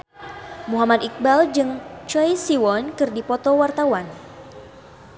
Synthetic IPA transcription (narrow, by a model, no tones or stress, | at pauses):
muɦamad̪ik̚bald͡ʒɨŋt͡ʃɔjsiwɔnkɨrdipɔt̪ɔwart̪awan